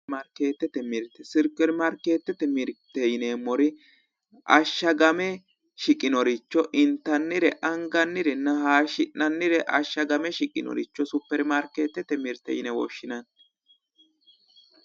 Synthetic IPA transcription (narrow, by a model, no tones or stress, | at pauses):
mɐɾkeːt̪ːɛt̪ɛmɪɾt̪ːɛsɪɾkʼːɛɾmɐɾkeːt̪ːɛt̪ɛmɪɾt̪ːɛjnemɔɾɪ | ʔɐʃːɐɡɐmɛ | ʃɪkʼːɪnɔɾɪt͡ʃːɔʔɪnt̪ːɐnːɪɾɛʔɐŋɡɐnːɪɾɛnːɐhaːʃɪnːɐnːɪɾɛʔɐʃːɐɡɐmɛʃɪkʼɪnɔ̰ɾɪ̰t͡ʃːɔsʊpːɛɾmɐɾkeːt̪ːɛt̪ːɛmɪɾt̪ːɛ̰jnɛwɔ̰ʃːɪnɐn